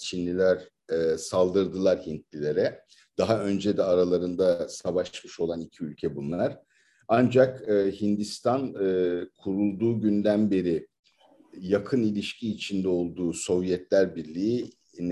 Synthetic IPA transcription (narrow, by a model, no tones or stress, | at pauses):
t͡ʃʰinlʲilʲæɾ | ɛsalˠd̪ɯɾd̪ɯlˠaɾhint̪lʲilʲe̞ɾɛ | d̪̥aɦaø̞nd͡ʒed̪ɛaɾalˠaɾɯnd̪asaβaʃmɯʃo̞lˠanicʰiylʲcʰɛbunːˠaɾ̥ | and͡ʒakɯhind̪ist̪ʰanɯːkʰuɾulˠd̪uːɟynd̪ænbe̞ɾɪ | jakʰɯnilʲiʃcʰiːt͡ʃʰind̪ɛo̞lˠd̪uːso̞vjɛt̪lʲæɾbiɾlʲiː | n